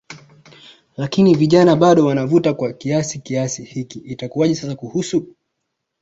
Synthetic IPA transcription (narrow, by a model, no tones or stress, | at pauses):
lakiniviʄanaɓaɗɔwanavutakwakiasikiasihikiːtakuwaʄɛsasakuhusu